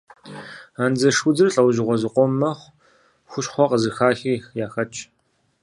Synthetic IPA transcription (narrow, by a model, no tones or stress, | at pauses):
aːnzɐʂud͡zɨrɬʼɐwʒɪʁʷɔzɨqʷʼɔmːɐχʷ | xʷʊɕχʷɔqəzɨxaːxiːxjaːxɐt͡ʃʼ